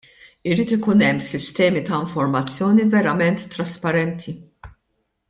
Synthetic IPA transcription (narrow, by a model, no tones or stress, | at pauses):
ɪɾiːt̪ɪkuːnɛmːsɪst̪ɛːmit̪ɐɪɱfɔɾmɐt͡sːjɔːnivɛɾɐmɛnt̪ːɾɐspɐɾɛnt̪ʰi